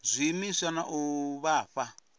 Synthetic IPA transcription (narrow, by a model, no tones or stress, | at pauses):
zʷimisanaʔuβaːɸa